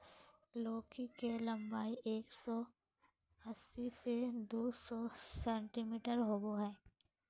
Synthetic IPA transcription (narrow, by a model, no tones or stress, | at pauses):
loːkikelɐ̃mbaːiʔeːksɔ | əsised̪uːsɔsɛ̃ːɳʈimiːʈəɾɦoːɡoɦɛː